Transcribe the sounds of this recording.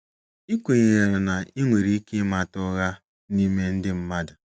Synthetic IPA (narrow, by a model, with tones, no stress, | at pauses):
i˦kʷe˨ɲe˨ɾe˨ɾɪ˨na˨i˦ŋʷe˨ɾi˦ke˦ma˨tʊ˦ɣa˦ | ni˦me˦n̩˦dɪ˦m̩˦ma˦dʊ˨